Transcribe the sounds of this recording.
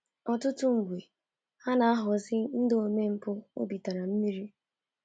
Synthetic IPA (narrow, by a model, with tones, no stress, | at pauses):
ɔ˨tʊ˦tʊ˦ŋ̩˨ɡʷe˨ | ha˦na˨a˦ɦʊ˨zɪ˦n̩˦do˨me˦m̩˦pʊ˦o̰˦bi˨ta˨ɾa˨m̩˦mi˦ɾi˦